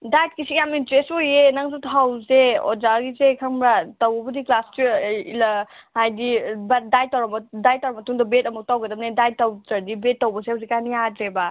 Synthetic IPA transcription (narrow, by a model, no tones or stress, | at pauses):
dajt̚kisijamintɾesojenaŋzutʰawzeo̰zaɡizekʰɐŋbɾatɐwbɐbɐdiklastiilhajdibadajtawɾɐbdajtawɾɐmɐtuŋdɐbet̚ɐmuk̚tawɡɐdɐm̚nedaj̚tawtɐdibetːɐwbɐsewzikaniatɾeba